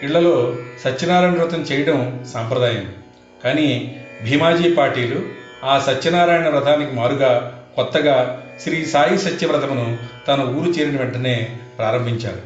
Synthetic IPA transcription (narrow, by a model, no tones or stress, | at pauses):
iɭːɐlo̞ːsɐt͡ʃːɐnaːɾaːjnɐɾut̪ɐmt͡ʃɛːjɐɽɐmsampɾɐd̪aːjɐmi | kaːnibʱiːmaːd͡ʒiːpaːɾʈiːlu | aːsɐt͡ʃːɐnaːɾaːjnɐɾɐt̪ʰaːnikimaːɾuɡaːkɔt̪ːɐɡaː | ʃɾiːsaːjisɐt̪jɐʋɾɐt̪ɐmɐnut̪ɐnuuːɾut͡ʃɛːɾɐnɐʋɛɳʈʰɐne̞ːpɾaːɾɐmbʱiɲt͡ʃa̰ːɾu